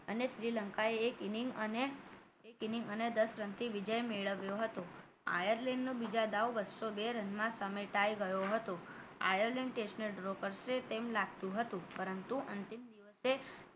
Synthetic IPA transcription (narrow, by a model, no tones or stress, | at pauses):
əneʃɾiləŋkaeːkiniŋɡəne | ekiniŋɡəned̪əsɾənt̪ʰiʋid͡ʒəjmeɭəʋjoɦət̪o | a̰jəɾlenːõbid͡ʒad̪aʋʋəʃobeɾənmãsameʈajɡəjoɦət̪oa̰jəɾleɳɖʈeʃnəlɖɾokəɾset̪emlaɡ̚t̪ũɦət̪ũpəɾənt̪uʔənt̪imd̪iʋəse